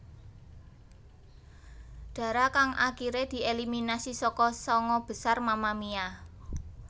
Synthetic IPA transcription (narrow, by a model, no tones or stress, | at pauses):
ɖ̥ä̤ɾakaŋʔakiɾed̪̥i̤ʔeliminasisɔkɔsɔŋɔb̥ə̤sarmamamia